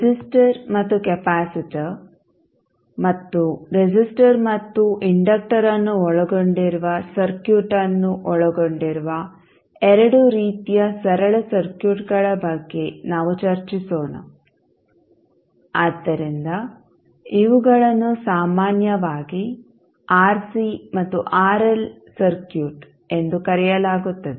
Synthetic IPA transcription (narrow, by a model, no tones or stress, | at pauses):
ɾd͡ʒisʈɐɾmɐt̪ːukepaːsiʈi | mɐt̪ːuɾed͡ʒisʈɐɾmɐt̪ːuʔiɳɖɐk̚ʈɐɾɐnːuɔɭɐɡoɳɖiɾuʋɐsɐɾkjuːʈɐnːuʔɔɭɐɡoɳɖiɾuʋɐ | ɛɾɐɽuɾiːt̪ijɐsɐɾɐɭɐsɐɾkjuːʈɡɐɭɐbɐɡːenaːʋut͡ʃɐɾt͡ʃisoːnɐ̰ | aːd̪ːɐɾind̪ɐ | iʋuɡɐɭɐnːusaːmaːnjɐʋaːɡi | aːɾsimɐt̪ːuʔaːɾel | sɐɾkjuːʈ | e̞nd̪ukɐɾɛjɐlaːɡut̪ːɐd̪e